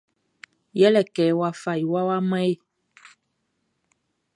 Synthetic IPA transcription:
jɛ˦lɛ˨kɛ˨˦wa˦fa˨i˨wa˦wa˦mɛ˦e˦

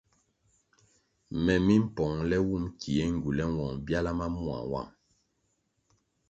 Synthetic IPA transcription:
mɛ˨mi˦m̩˦pɔ˨ŋlɛ˦wu˦˨mkʰi˨e˦ŋ̩˨ɡu˨lɛ˦wɔ˨ŋbja˦la˦ma˦mu˦a̰˨wa̰˦˨ŋ

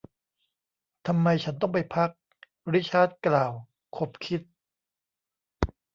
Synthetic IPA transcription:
t̪ʰa˧mːa˧jt͡ɕʰa˦˥nt̪ɔ˥˩ŋpa˧jpʰa˦˥k̚ | ɾiː˦˥t͡ɕʰaː˥˩t̪̚klaː˨˩w | kʰo˨˩p̚kʰi˦˥t̪̚

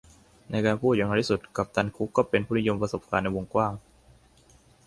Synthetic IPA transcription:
na˧jkaː˧npʰuː˥˩t̪̚ja˧ŋna˧t̪ʰi˥˩su˨˩t̪̚ka˨˩p̚t̪ʰa˧nkʰu˦˥kːɔː˥˩pe˧npʰuː˥˩n˦i˦˥jo˧mpɾa˧so˨˩p̚kaː˧nːa˧jwo˧ŋkwaː˥˩ŋ

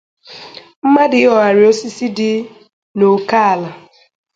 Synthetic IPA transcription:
m̩˦ma˦dɪ˨˦ɔ˨a˨ɾɪ˨o˦si˦si˦dɪ˦ | no˨ka˦a˨la˨

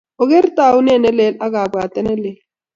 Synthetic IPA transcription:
o˨ɣe˦ɾtʼa˦˨u˦nɛ˦˨nɛ˦lɛ˨˦la˦ɣa˨ba˨t̪ʼɛ˦nɛ˦lɛ˨l

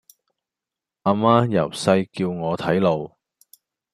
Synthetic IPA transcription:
ʔaː˧maː˥jɐ˨˩wsɐ˧jkiː˧wŋɔː˨˧t̪ʰɐ˨˥jlo˧w

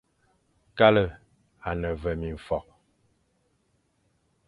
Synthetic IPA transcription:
ka˦lə˦˨ | a˨nə˨və˨mi˨ɱ̩˨fɔ˨k̚

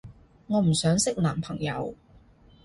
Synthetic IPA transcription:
ŋɔː˨˧m̩˨˩sœː˨˥ŋsɪ˥k̚laː˨˩mpʰɐ˨˩ŋjɐ̰˨˧w

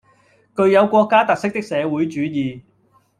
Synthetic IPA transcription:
kɵ˧ɥjɐ˨˧wkʷɔː˧kːaː˥t̪ɐ˨k̚sɪ˥k̚t̪ɪ˥k̚sɛː˨˧wu˨˥jt͡ʃyː˨˧jiː˨˩

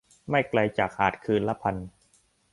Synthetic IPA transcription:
ma˥˩jkla˧jt͡ɕaː˨˩k̚haː˨˩t̪̚kʰɯː˧nla˦˥pʰa˧n

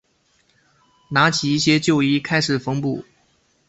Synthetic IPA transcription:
na˧˥t͡ɕʰi˨˩i˥˩ɕjɛ˥t͡ɕjo˥˩ʊi˥kʰa˥ɪʂɻ̩˨˩fɤ˥ŋpu˥˩

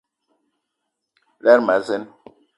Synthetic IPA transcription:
lɛ˦ɾma˨zɛ˦n

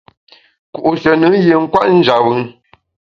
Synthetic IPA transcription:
ku˨ʔu˨sə˨nɨ˨˦je˨ŋ̩˦kwa˦ʔn̩˦d͡ʒa˨wɨ˨˦

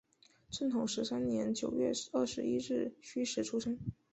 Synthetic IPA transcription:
ʈ͡ʂʰə˥˩nt̪ʰʊ˨˩˦ŋʂɻ̩˧˥sa˥nnjɛ˧˥nt͡ɕjo˨˩ʊɥɛ̰˥˧ɐ˥˩ʂɻ̩˧˥i˥ɻɻ̩˥˩ɕy˥ʂɻ̩˧˥ʈ͡ʂʰu˥ʂɤ˥ŋ

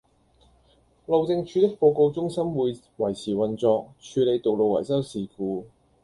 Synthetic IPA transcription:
lo˨wt͡sɪ˧ŋt͡ʃʰyː˨˧t̪ɪ˥k̚po˧ko˧wt͡sʊ˥ŋsɐ˥mwuː˨˧j | wɐ˨˩jsʰiː˨˩wɐ˨nt͡sɔː˧k̚t͡ʃʰyː˨˧le˨˧jt̪o˨wlo˨wɐ̰˨˩jsɐ˥wsiː˨˩kuː˧

